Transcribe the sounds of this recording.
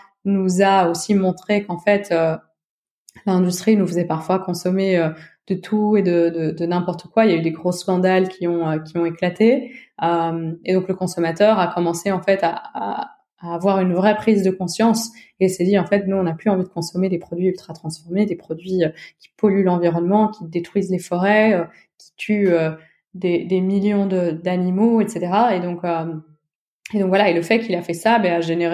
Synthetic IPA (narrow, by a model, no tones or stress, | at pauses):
nuzaosimɔ̃t̪χekɑ̃fɛt̪ø | lɛ̃d̪yst̪χinufəzɛpaʁfwakɔ̃sɔmeød̪̥ət̪ʰued̪əd̪əd̪ənɛ̃pɔʁt̪ə̥kwailjayd̪eɡʁoskɑ̃d̪alkʲʰiɔ̃økʲiɔ̃eklat̪eømed̪ɔ̃kləkɔ̃sɔmat̪œʁakɔmɑ̃seɑ̃fɛt̪aaː | vwaʁynvʁɛpχizd̪əkɔ̃sjɑ̃s | eilsɛd̪iɑ̃fɛt̪nuɔ̃naplyɑ̃vid̪əkɔ̃sɔmed̪epχɔd̪ɥiylt̪χat̪χɑ̃sfɔʁmed̪epχɔd̪ɥiøkʲi̥pɔlylɑ̃viʁɔnmɑ̃kʲid̪et̪χɥizlefɔʁɛø | kʲi̥t̪ʰyø | d̪ed̪emiljɔ̃d̪əd̪animoɛt̪set̪eʁaed̪ɔ̃køm | ed̪ɔ̃ŋkvwalaeləfɛkilafɛsabɛaʒeneʁ